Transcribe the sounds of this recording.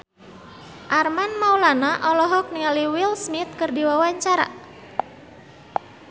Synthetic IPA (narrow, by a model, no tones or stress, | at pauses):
ʔarmanmaulanaʔɔlɔɦɔk̚niŋaliwilsmit̪̚kərdiwawaɲt͡ʃaɾa̰